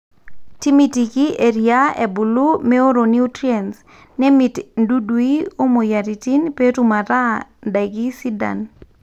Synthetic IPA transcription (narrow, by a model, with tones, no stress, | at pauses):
ti˦mi˨ti˨ki˦ʔe˨ɾija˦ḛ˨bu˨lu˦mɛ˦o˦ɾo˨ni˦u˦tɾiɛ˨ns | nɛ˦mi˨tndu˦dwi˦o˦mo˨ja˨ɾi˨ti˦npe˦tuma˨ɾa˦nda˨ɡi˦si˦da̰˨n